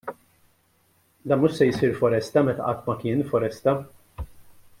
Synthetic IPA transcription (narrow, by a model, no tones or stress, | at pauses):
d̪ɐːnmʊʃsɛjsiːɾfɔɾɛst̪ɐmɛt̪ɐ̰ʔɐt̪ːmɐkɪːnfɔɾɛst̪ɐ